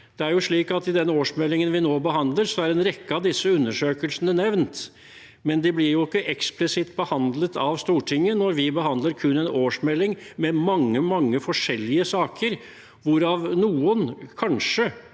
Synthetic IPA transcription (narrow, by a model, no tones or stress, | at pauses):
d̪̥ɛæɾjʊʂɭiːkɑt̪ɪd̪ɛnoːʂmɛlːɪŋənʋɪnoːbəɦɑnd̪ləɾsɔæɾɛnɾɛkːəɑʋd̪ɪsːəʉnːəʂøːkəlsənənɛʋnt̪ | mɛnd̪ɪblɪɾjʊɪkːəʔɛksplɪsɪt̪bəhɑnd̪lət̪ʰɑʋst̪uːʈʰɪŋːənɔɾʋɪbəhɑnd̪ləɾkʰʉnːɛnoːʂmɛlːɪŋmɛmɑŋːəmɑŋːəfɔʂɛlːɪəsɑːkʰəɾ | ʋʊɾɑʋnuːənkʰɑnʂə